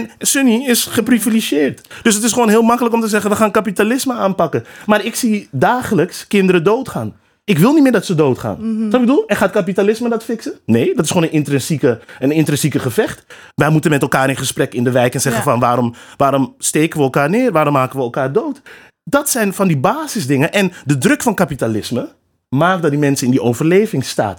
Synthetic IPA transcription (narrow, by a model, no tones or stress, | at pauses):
ɛnsøniɪsχəpriviliʒjɪːrtd̥øs̬ətɪsχʋoːnɦɪːlˠmɑkələkɔmtəzɛχənʋəχaːnkapitalɪsməaːnpɑkəmaːɾɪksidaːχələkskɪndəɾədoːtχaːn | ɪkʋɪlˠnitmɪːɹdɑtsədowtχa̰ːnɔɪɡ̚bədulˠɛnχaːt̚kap̬italɪsmədɑtfɪksəneːdɑtɪsχoːnənɪntrɛnsikəənɪntrɛnsikəχəfɛχt | ʋɛjmutənmɛtɛlˠkaːɾɪnχəsprɛkɪndəʋɛjkɛnz̥ɛχəfɑnʋaːɾɔmʋaːɾɔmsteːkənʋəɛlˠkaːrnɪːrʋaːɾɔmaːkənʋəɛlˠkaːrdowt | dɑtsɛjnfɑndibaːzɪsdɪŋənʔɛndədrøkfɑnkapitalɪsmə | maːk̚dɑt̚dimɛnsəɪndiowvərlejvɪŋsta̰ːt